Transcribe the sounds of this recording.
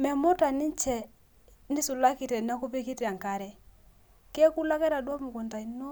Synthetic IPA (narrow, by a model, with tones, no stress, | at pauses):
mɛ˨mo˦ta˨nɪ˦ɲt͡ʃɛ˨ | nɪ˦su˨la˦ki˨tɛ˨n˦a˦ku˦pi˦ki˦ta˨ŋka˨ɾɛ˨ | kɛ˦ku˦la˦kɛ˦ɾa˨dwa˦mu˨ko˨nta˨i˨no˦